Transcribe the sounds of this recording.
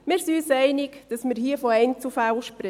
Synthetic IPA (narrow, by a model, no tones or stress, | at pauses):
mɪːɾsiyːsɛɪnɪkd̥ɑsmɪɾhiəfoɛɪnt͡sufælʃpɾɪ